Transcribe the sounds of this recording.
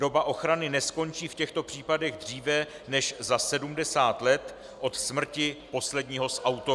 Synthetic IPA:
do̞baʔo̞xɾanɪnɛsko̞nt͡ʃiːfcɛxt̪o̞pr̝̥iːpadɛɣd̪r̝iːvɛ | nɛʃzasɛdumdɛsaːt̪lɛt̪ | ʔo̞t̪smr̩cɪpo̞slɛdɲiːɦo̞sʔawt̪o

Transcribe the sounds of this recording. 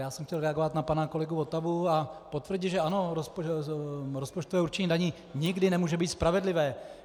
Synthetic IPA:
jaːsɛmxcɛlɾɛaɡovat̪napanako̞lɛɡuvo̞t̪abuapot̪vr̩ɟɪʒɛano̞ɾos | ɾospo̞t͡ʃt̪ovɛːuɾt͡ʃɪɲiːdaɲiː | ɲɪɡdɪnɛmuːʒɛbiːt̪spɾavɛdlɪvɛː

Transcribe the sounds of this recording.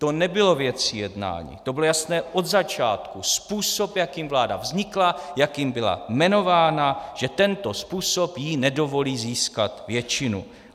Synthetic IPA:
t̪o̞nɛbɪlo̞vjɛt͡sijɛdna̰ːɲḭːt̪obɪlojasnɛːʔo̞d̪zat͡ʃaːt̪kuspuːso̞pjakimvlaːdavzɲɪklajakjɪmbɪla̰mɛno̞vaːnaʒɛt̪ɛnt̪o̞spuːso̞pjinɛdo̞vo̞liːziːskat̪vjɛt͡ʃɪnṵ

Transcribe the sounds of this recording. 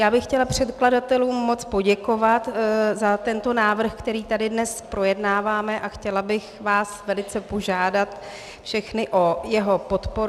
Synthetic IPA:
jaːbɪxːcɛlapr̝̥ɛt̪kladat̪ɛluːmːo̞t͡spo̞ɟɛko̞vat̪zat̪ɛnt̪o̞naːvr̩xkt̪ɛɾiːt̪adɪdnɛspɾo̞jɛdnaːvaːmɛʔaxcɛlabɪxvaːsvɛlɪt͡sɛpo̞ʒaːdat̪ | fʃɛxnɪʔo̞jɛɦo̞po̞t̪poɾ

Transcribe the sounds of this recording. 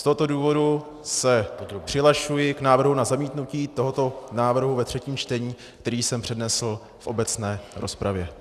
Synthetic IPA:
st̪oɦo̞t̪o̞duːvo̞du | sɛpr̥ɪlaʃujɪknaːvr̩ɦunazamiːt̪nuciːt̪o̞ɦo̞t̪o̞naːvr̩ɦuvɛt̪r̝̥ɛciːmt͡ʃt̪ɛɲiː | k̚t̪ɛɾiːsɛmpr̝̥ɛdnɛsl̩ | fʔo̞bɛt͡snɛːɾʔo̞spɾavjɛ

